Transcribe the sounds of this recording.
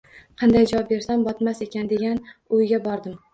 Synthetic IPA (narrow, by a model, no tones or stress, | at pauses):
qʰɑnd̪ajd͡ʒɒɒp̚be̞ɾsambɒt̪mase̞kʲand̪e̞ɡʲanʊjɡʲabɒɾd̪ɪm